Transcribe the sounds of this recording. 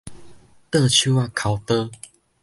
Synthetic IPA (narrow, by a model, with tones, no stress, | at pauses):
t̪ə˥˧˨t͡ɕʰu˥˦wa˥˨kʰa˨˩ʊwt̪ə˦